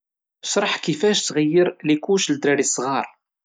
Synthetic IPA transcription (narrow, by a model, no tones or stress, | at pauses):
sˤɾˤəħkifæʃt̪ɣəjːəɾlikuʃld̪ɾəɾisˤʁɑɾˤ